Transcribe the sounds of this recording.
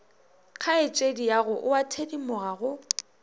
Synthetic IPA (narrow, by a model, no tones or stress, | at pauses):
kʰaɪt͡ʃʼedijaɣʊʔʊatʰedimʊɣaɣʊ